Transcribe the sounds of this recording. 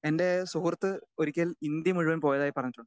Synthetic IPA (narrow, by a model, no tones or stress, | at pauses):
e̞nde̞suhurɐt̪ːɨoɾikʲːɐlind̪jɐmuɻuʋɐnpo̞ːjɐðaːjipːɐrɐɲːitːʈːuɳɖɨ